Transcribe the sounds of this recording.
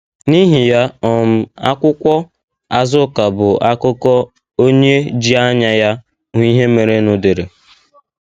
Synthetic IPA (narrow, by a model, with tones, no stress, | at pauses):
ni˦ɦi˨ja˦ɔ˨m̩˦a̰˦kʷʊ˦kʷɔ˦ | a˨zʊ˦ka˨bʊ˨a˦kʊ˦kɔ˦ | o˦ɲe˦d͡ʒi˦a˦ɲa˦ja˦ | ŋʷ˦i˦ɦe˦me˨ɾe˦nʊ˨de˨ɾe˨